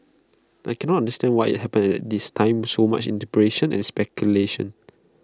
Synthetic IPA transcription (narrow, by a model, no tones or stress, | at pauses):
ʔajkɛ̃nɔtãndəstɛ̃ndwajḭt̚hɛpə̃nɛtɛt̚distʰãɪ̃msoma̰t͡ʃḭ̃ntipɹeʃə̃nɛ̰̃nspɛkʰjuleʃə̰̃n